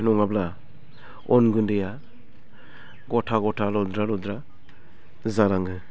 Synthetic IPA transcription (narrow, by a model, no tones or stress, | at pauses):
nɔŋabla | ɔnɡɯndeja | ɡɔtʰaɡɔtʰalɔd̪ɾalɔd̪ɾa | zalaŋɡɯ